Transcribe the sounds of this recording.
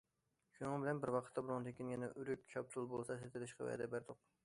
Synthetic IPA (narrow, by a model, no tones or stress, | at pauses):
ʃunɨŋbɪlɛnbɪɾwɑqʰət̪ːɑbuɾʊŋt̪ʰekʲinʲɛnɛʔyɾykʲt͡ʃʰɑp̚t̪ʰulˠbolˠsɑset̪ʰɪlɪʃqɛ̰vɛ̰d̪ɛ̰bæɾd̪ʊq